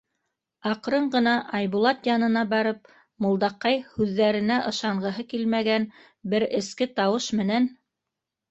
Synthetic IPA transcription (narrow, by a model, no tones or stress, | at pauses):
ɑqɾɤɴɢɤ̆nɑʔɑjβulˠɑt̪jɑnɤ̆nɑbɑɾɤp̚ | mŏlˠd̪ɑqːɑjhʉðːæɾɘ̆næʔɤ̆ʃɑɴɢɤ̆ɦɤkilmæɡæn | bɘɾɘ̆skɘt̪ɑwɤʃmɘ̆næn